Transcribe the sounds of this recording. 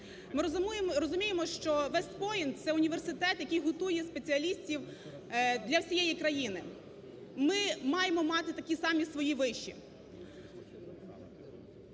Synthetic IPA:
mɪɾɾɔzʊmʲijemɔʃt͡ʃɔʋɛst̪pɔjint̪sɛʊnʲiʋersɪt̪ɛt̪jɐkʲijɦɔt̪ujɛspet͡sʲiɐlʲisʲtʲiw | d̪lʲɐwsʲijɛjikɾɐjinɪ | mɪmɑjemɔmɑt̪ɪt̪ɐkʲisɑmʲisʋɔjiʋɪʃt͡ʃːi

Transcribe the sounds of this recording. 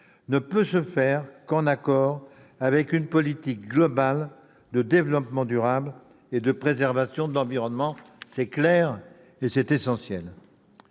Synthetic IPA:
nəpøsəfɛʁkɑ̃nakɔʁ | avɛkynpɔlit̪ik̚ɡlɔbal | d̪əd̪evlɔpmɑ̃d̪yʁabl | ed̪əpχezɛʁvasjɔ̃d̪əlɑ̃viʁɔnmɑ̃ | sɛklɛʁ | esɛt̪esɑ̃sjɛl

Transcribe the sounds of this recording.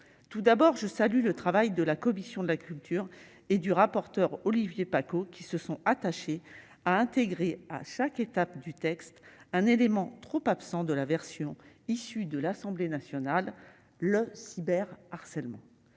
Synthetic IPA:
t̪ud̪abɔʁʒəsalylət̪χavajd̪əlakɔmisjɔ̃d̪əlakʲʰylt̪ʰyʁ | ed̪yʁapɔʁt̪œʁɔlivjepakokʲisəsɔ̃at̪aʃe | aɛ̃t̪eɡʁea̰ʃaket̪apd̪yt̪ɛkst̪ɛ̃nelemɑ̃t̪χopapsɑ̃d̪əlavɛʁsjɔ̃isyd̪əlasɑ̃blenasjɔnalː | əsibɛʁaʁsɛlmɑ̃

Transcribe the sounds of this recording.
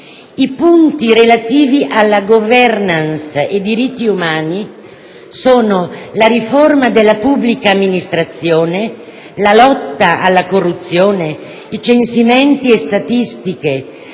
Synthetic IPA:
ipunt̪iɾelat̪iːviʔalːaɡovɛrnansed̪ːiɾit̪ːiumaːni | soːnolaɾiformad̪elːapubːlikaːmːinist̪ɾat̪sːjoːne | lalɔt̪ːaʔalːakorːut̪sːjoːne | it͡ʃensimɛnt̪iest̪at̪ist̪ike

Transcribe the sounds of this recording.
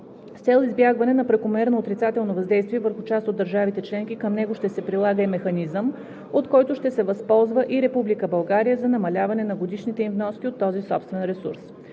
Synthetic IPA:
st̪sɛlˠizbjaɡvɐnɛnɐpɾɛkomɛɾnoot̪ɾit̪sat̪ɛlˠnovɐzd̪ɛjst̪viɛvəɾxʊt͡ʃast̪otd̪ːəɾʒavit̪ɛt͡ʃlɛŋk̟ikəmnɛɡoʃt̪ɛsɛpɾilˠaɡəimɛxɐnizəm | ot̪kɔjt̪ʊʃt̪ɛsɛvɐspɔlˠzvəʔiɾɛpublikəbɐlˠɡaɾijəzɐnɐmɐlʲavɐnɛnɐɡod̪iʃnit̪ɛimvnɔsk̟ʲiot̪ːɔzisɔpst̪vɛnɾɛsuɾs

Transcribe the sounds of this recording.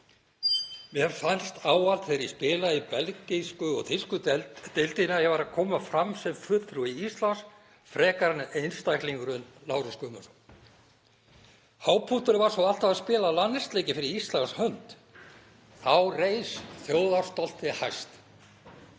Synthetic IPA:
mɛɛɾfanst̪ʰaːwal̥t̪fejɾispɪːlaipɛlceskʏɔ̰ɣθɪskʏt̪ejlt̪ɪnajɛɣvaɾakʰɔːmafɾamsɛmfʏt̪θɾuiist̪lans | fɾɛːkaɾnejnst̪ajkliŋkʏɾʏnlaːwɾɪskʏmʏs | haːwpʰut̪ʏɾɪvaɾ̥sɔwal̥t̪avaðspɪːlalanːɪst̪leːjcɪfɪɾɪɾist̪lanshœnt̪ | θawrejsθjoːwðar̥st̪ɔl̥t̪ɪhajst̪

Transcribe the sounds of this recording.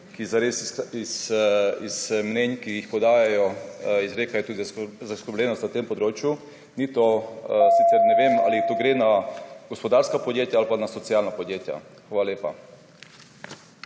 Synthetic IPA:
kizaɾesisismnɛnkijixpɔd̪aːjajɔizɾeːkajɔt̪uːd̪izzaskəɾblʲɛnɔst̪nat̪empɔd̪ɾoːt͡ʃju | nit̪osit̪sɛɾnɛʋeːma̰lit̪oɡɾenaɡ̥ɔspɔd̪aɾskapɔd̪jeːt̪jaalpanasɔtsijalnapɔd̪jeːt̪ja̰xʋaːlaljeːpa

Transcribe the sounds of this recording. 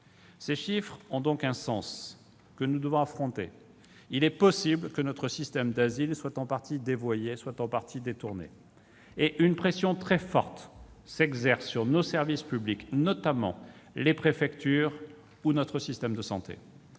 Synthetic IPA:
seʃifχɔ̃d̪ɔ̃kɛ̃sɑ̃s | kənud̪əvɔ̃afχɔ̃t̪ḛ | ilɛpɔsiblkənɔt̪χəsist̪ɛmd̪azilswat̪ɑ̃paʁt̪id̪evwajeswat̪ɑ̃paʁt̪ʰid̪et̪uʁnḛ | eʔynpχesjɔ̃t̪χɛfɔ̰ʁt̪ | sɛɡzɛʁsːyʁnosɛʁvispybliknɔt̪amɑ̰̃lepχefɛkt̪yʁ | unɔt̪χəsist̪ɛmd̪əsɑ̰̃t̪ḛ

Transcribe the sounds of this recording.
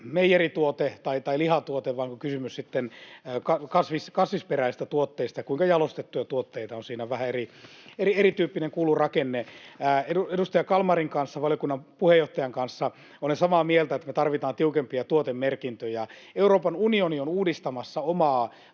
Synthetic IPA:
meijerit̪uot̪et̪ɑit̪ɑilihɑt̪uot̪eʋʋɑːŋkokysymyssit̪ːenːkɑkɑsʋiskɑsʋisperæist̪æt̪uot̪ːeist̪ɑjɑkuiŋkɑjɑlost̪et̪ːujɑt̪uot̪ːeit̪ɑonsiːnæʋæhæerierieɾrit̪yːpːineŋkuːlurɑkenːeæːeuedust̪ɑjɑkɑlmɑriŋkɑnsːɑʋɑlijokunːɑmpuhejoht̪ɑjɑŋkɑnsːɑ | olensɑmɑːmielt̪æet̪ːæmet̪ɑrʋit̪ɑːnt̪iukempiɑt̪uot̪emmerkint̪øjɑeuroːpɑnunionionuːdist̪ɑmɑsːɑomɑː

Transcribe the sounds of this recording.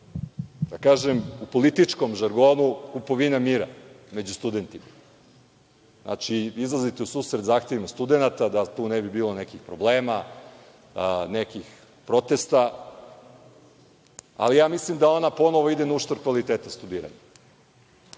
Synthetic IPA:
d̪akaːʒemupolit̪it͡ʂkomʒaɾɡo̞ːnukupo̞ʋinamiːɾa̰ | me̞d͡ʑust̪ud̪e̞nt̪ima | znʔa̰t͡ʃiizlˠazit̪ɛusuːsɾed̪zaːxt̪e̞ʋimast̪ud̪enat̪ad̪at̪uːnebibiːlˠonekixpɾobleːma | nekix | pɾo̞t̪est̪a | a̰lijaːmislimd̪ao̞napo̞noʋo̞id̪enauʃt̪oɾkʋalit̪eːt̪ast̪ud̪iːɾa̰ɲa

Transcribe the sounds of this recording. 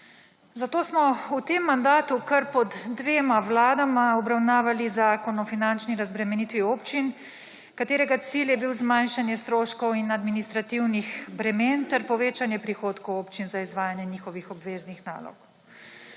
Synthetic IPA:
zat̪oːsmɔut̪emːand̪aːt̪ukɐɾpɔd̪ːʋeːmaʋlaːd̪amaɔbɾawnaːʋalizaːkɔnɔfinant͡ʃniɾazbɾɛmɛniːt̪ʋioːpt͡ʃin | kat̪eːɾɛɡat̪siljɛbiwzmanʃanjɛst̪ɾoːʃkɔwinad̪minist̪ɾat̪iwnixbɾɛmeːnt̪ɛɾpɔʋeːt͡ʃanjɛpɾixoːt̪kɔwoːpt͡ʃinzaizʋaːjanjɛniːxɔʋixɔbʋeːznixna̰ːlɔ̰k

